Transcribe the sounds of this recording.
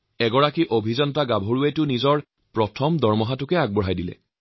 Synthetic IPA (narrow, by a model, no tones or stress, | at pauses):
ɛɡɔɹakiʔobʱizɔnɔtaɡabʱoɹuetʊnizɔɹ | pɹɔtʰɔmdɔɹmɔɦatʊkɛaɡ̚bɔɦajdilɛ̰